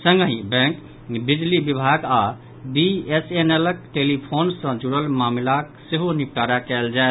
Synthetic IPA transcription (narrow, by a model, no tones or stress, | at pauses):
sə̃ŋɡɦĩbɛ̃ŋk | bid͡ʒlibibʱaɡa | biesenelək̚ʈelipʰoːnsə̃d͡ʒuɽəlmaːmlakseɦonik̚ʈaɾakɛld͡ʒaɛ